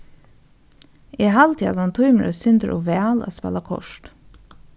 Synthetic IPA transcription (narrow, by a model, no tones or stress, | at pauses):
ʔiːhɑlt̪ʰiːɑ̰d̪ɑnt̪ʰʊʏməɾʔə̰sʏnd̪əɾʔɔ̰ːʋæːla̰spɛ̰lɑkʰɔ̰ʃt